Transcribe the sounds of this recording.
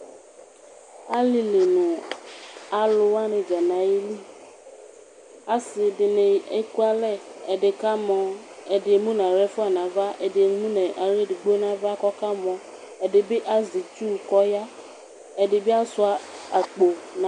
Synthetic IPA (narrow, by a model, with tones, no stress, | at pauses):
a˦li˦le˨nũ˨ | a˨lo˦wa˦nẽ˨d͡ʒa˨nã˨je˦li˦ | a˨si˨ɖe˨nẽ˨e˦ku˦a˦lɛ˦e˨ɖe˨ka˦mɔ̃˨e˨ɖe˨˦mũ˦nã˨ɾɛ˦fu˦a˨nã˨va˦ʔe˨de˨˦mũ˦nẽ˨ʔa˨ɾe˦ɖe˨ɡ͡bo˦nã˨˦va˦kɔ˦ka˦mɔ̃˨ | e˨ɖe˨be˦ʔa˦zi˨t͡ʃu˦˨kɔ˦ja˦ | e˨ɖe˨be˦a˦su˦a˨a˨k͡po˨nã˨